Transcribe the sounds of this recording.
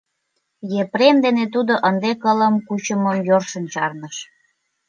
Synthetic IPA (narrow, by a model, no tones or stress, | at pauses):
jepɾemd̪enet̪ud̪oʔənd̪ekələmkut͡ɕəməmjorʃə̆nt͡ɕɑrnəʃ